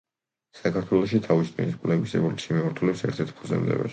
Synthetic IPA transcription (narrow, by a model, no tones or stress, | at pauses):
sakʰaɾt̪ʰwɛlˠɔʃ̬it̪ʰavist̪ʰʼiniskʼlɛvisɛbulʃimimaɾt̪ʰulɛpsɛ̰ɾt̪ʰɛɾt̪̚ʰpʰuzɛ̰md̪ɛ̰bɛ̰